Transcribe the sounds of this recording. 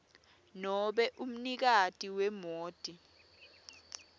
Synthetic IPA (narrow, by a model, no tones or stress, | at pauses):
nɔɓɛʔum̩nik̬atʼiwɛmoːd̥ʱʼi